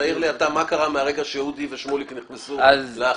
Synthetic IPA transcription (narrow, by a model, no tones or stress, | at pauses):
aiʁliat̪amakaʁameaʁeɡaʃeud̪iveʃmolikeniχnesuazlea